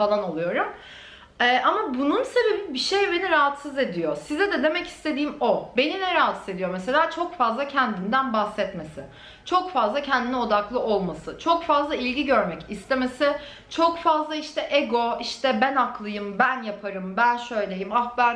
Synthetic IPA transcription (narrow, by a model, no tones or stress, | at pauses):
falˠano̞lˠujo̞ɾum | ɛːʔamabununse̞be̞bibiʃejbe̞niɾaɦat̪sɯze̞d̪ijosizɛd̪ɛd̪e̞mɛci̥st̪ʰe̞d̪iːmobeninɛɾaɦat̪sɯze̞d̪ijo̞mese̞lʲaːt͡ʃʰo̞kfazlˠacʰɛnd̪ind̪ænbaxsɛt̪me̞sɪ̰ | t͡ʃʰo̞kfazlˠacʰɛnd̪inɛo̞d̪aklˠɯʔo̞lˠmasɯt͡ʃʰo̞kfazlˠailʲɟiɟø̞ɾmɛcist̪ʰe̞me̞sɪ | t͡ʃʰo̞kfazlˠaiʃt̪ʰɛʔeɡo̞iʃt̪ʰɛbænaklˠɯjɯmbænjapʰaɾɯmbænʃø̞jlʲejimaxbæn